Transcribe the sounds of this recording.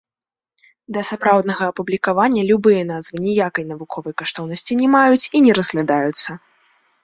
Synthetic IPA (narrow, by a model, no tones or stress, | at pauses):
d̪ɐsapɾawd̪̚nɐɣɐːpublʲikavanʲːɐlʲubɨjɐnazvɨnʲijakɐjn̪ɐvukʰɔvɐjkaʂt̪ɔwnɐsʲt͡sʲinʲɛmajut͡sʲinʲɛɾɐzɣlʲad̪ajut̪sːɐ